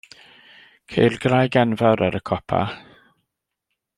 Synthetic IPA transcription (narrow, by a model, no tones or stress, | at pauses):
kʰejrɡrajɡɛnvaɾaɾəkʰɔpʰa̰